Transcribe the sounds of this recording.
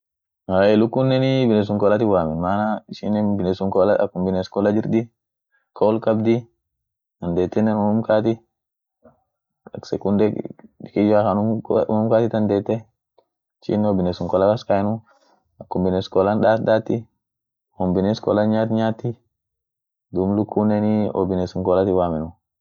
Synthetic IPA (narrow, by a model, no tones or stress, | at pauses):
haɛlʊkːʊnːɛnɪbɪnɛs̬ʊŋkɔlɐt̪ɪwaːmɪnmaːnaɪʃɪnːɛbɪnɛsʊŋkɔːlaɐ̰kːʊmbɪneskɔːlɐd͡ʒɪɾd̪ɪ | kʰoːlkɐbd̪ɪ | ɐnd̪eːt̪ːɛnːɛnʊnʊmkaːt̪ɪ | ɐksɛkʊnd̪ɛɪkɪd͡ʒaːkɐnʊkʊ̰nʊmkaːt̪ɪt̪ɐnd̪eːt̪ːɛ | ɪʃɪ̰nːɔbɪnesʊŋkɔːlakɐskaɛnʊ | ɐkːʊmbɪneskɔːlandaːt̪d̪aːt̪ːɪ | hɔmbɪneskɔ̰ːlɐɲaːt̪ɲaːt̪ːɪ | d̪ʊmlʊkʰːunɛniɔ̰bɪnesʊŋkɔːlɐt̪ɪwaːmɛnʊ